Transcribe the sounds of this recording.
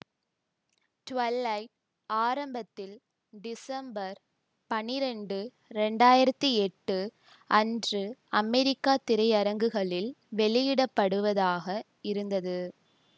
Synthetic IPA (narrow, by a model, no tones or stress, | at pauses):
ʈʊʋɐlːɐɪ | aːɾɐmbɐt̪ːɪl | ɖɪsɐmbɐɾ | pɐnɪɾɛɳɖɯ | ɾɛɳɖaːjɪɾɐt̪ːiɛʈːɯ | ʔɐndrɯɐmɛɾɪkːaːt̪ɪɾɐɪɐɾɐŋɡɯɣɐɭɪlʋɛɭɪjɪɽɐpːɐɽɯʋɐðaːɣɐ | ɪɾɯnd̪ɐðɯ